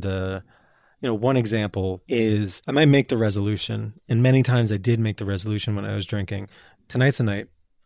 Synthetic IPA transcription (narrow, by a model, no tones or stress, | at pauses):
dʌ | jɨnoʊwʌ̃ñɨɡzæ̃mpl̩ˠɪz̥aɪmaɪt̚meɪk̚ðɨɹɛzəlʉʃɨ̰̃nɨ̃nmɛɾ̃itʰãɪ̃mzaɪdɪd̚meɪk̚ðɨɹɛzəlʉʃɨ̃n̩wə̃na̰ɪwʌzdɹɪ̃ŋkɪ̰̃ŋ | tʰɨnaɪtʰɨnaɪt̚